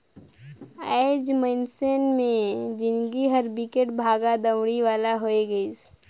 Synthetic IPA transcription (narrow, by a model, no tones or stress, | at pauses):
aɪd͡ʒmə̃nsenmẽd͡ʒɪnɡiɦəɾbɪkeʈbʱaːɡad̪əwɽ̃iʋaːlaɦoːeɡəs